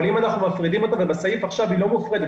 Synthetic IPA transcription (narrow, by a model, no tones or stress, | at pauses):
limanaχnumafʁidimo̞t̪avebasajifaχʃavhilo̞mufʁed̪e